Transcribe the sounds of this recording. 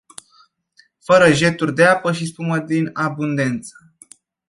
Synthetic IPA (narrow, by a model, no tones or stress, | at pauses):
fəɾəʒe̞t̪urʲd̪eapəʃispuməd̪inabund̪e̞nt̪sə̥